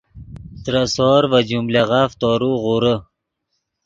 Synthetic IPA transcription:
t̪ɾasɔːɾvad͡ʑumlaʁaft̪ɔːɾuʁuɾə

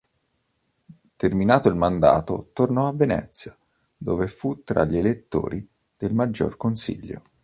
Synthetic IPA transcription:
t̪erminaːt̪oilmand̪a̰ːt̪ot̪ornɔavːenɛ̰t̪sːja | d̪oːvefut̪ːɾa̰ʎːelet̪ːo̰ːɾʔi | d̪̥elmad͡ʒːo̰rkonsḭʎːo̰

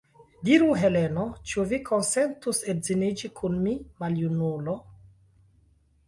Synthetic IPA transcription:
diɾuɦe̞leno̞t͡ʃuvikʰonse̞ntusezinid͡ʒikʰunmimaljunulo̞

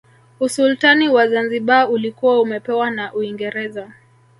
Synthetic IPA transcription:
usultaniwazanziɓaulikuwaumɛpɛwanaʔuiŋɡɛɾɛza

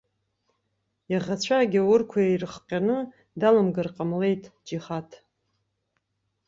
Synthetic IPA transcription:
jaʁat͡ɕʷʰaɡʲiwʊrkʷʰajejrɨχqʲʼanɨ | dalɨmɡɨrqʼamle̞jtʼd͡ʒiχatʰ

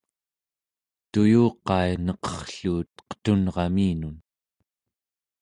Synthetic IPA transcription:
t̪ujuːqɑjnʌqʌ̥χɬuːt̪̚qə̥t̪unʁɑmiːnun

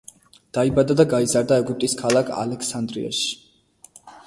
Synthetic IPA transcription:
d̪̥aibad̪ad̪aɡaizaɾd̪aɛɡyp̚t̪ʼiskʰalˠakʰa̰lɛkʰsand̪ɾḭa̰ʃi̥

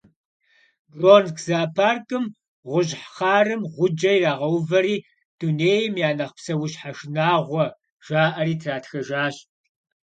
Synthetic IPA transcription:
roːnkʰz̥aːpʰaːrkʼɨm | ʁʷʊʑħχɑːrɨmʁʷʊd͡ʒɐjraːʁɐwvɐɾiː | d̥uneːjɪmjaːnɐχpsɐwʊɕħaʂnaːʁʷɔ | ʒ̥aːʔɐɾiːtʰraːtʰxɐʒaːɕ

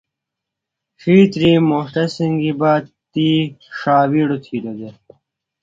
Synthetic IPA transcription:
ʂiːt̪ɾiːmohʈ̪ɐsiŋɡibaːt̪iːʂaːwiɽot̪ʰiːɾod̪e

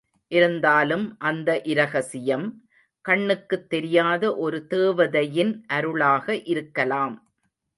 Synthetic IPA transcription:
ʔɪɾɯnd̪aːlɯmʔɐnd̪ɐʔɪɾɐɣɐsɪjɐm | kɐɳːɯkːɯt̪ːɛɾɪjaːðɐʔɔɾɯt̪eːʋɐðɐjɪnʔɐɾɯɭaːɣɐʔɪɾɯkːɐlaːm

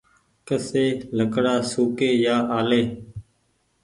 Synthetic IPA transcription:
kəseːləkɽaːsuːkeːjaːʔaːleː

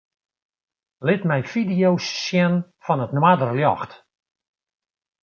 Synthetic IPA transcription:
lɪtmɛjfidijowsːjɛnfɔnətnwadərljɔ̰xt

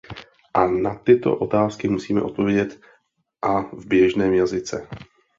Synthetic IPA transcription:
ʔanat̪ɪt̪o̰ʔot̪aːskɪmusiːmɛ̰ʔo̞t̪̚po̞vjɛɟɛt̪ | ʔavbjɛʒnɛːmjazɪt͡sɛ

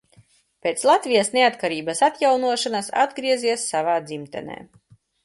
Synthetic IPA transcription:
pʲeːt̪slˠat̪vʲijasneat̪kaɾiːbasat̪jawnuɔʃanasa̰d̪ɡɾiɛziɛsːavaːd̪zimt̪ɛ̰nḛː

